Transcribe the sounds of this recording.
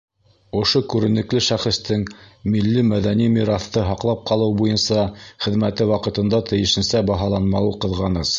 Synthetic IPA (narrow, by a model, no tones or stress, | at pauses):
ŏʃokʉɾɘ̆nɘ̆klɘʃæχɘ̆st̪ɘŋmilːimæðænimiɾɑθt̪ɤɦɑqlˠɑp̚qɑlˠɤwbujɤnsɑχɘ̆ðmæt̪ɘwɑqɤ̆t̪ɤ̆nd̪ɑt̪ɘ̆jɘ̆ʃɘ̆nsæbɑɦɑlˠɑnmɑwɤqɤ̆ðʁɑnɤs